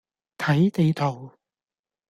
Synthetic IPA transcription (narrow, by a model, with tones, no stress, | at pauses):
t̪ʰɐ˨˥jt̪e˨˧jt̪ʰo˨˩w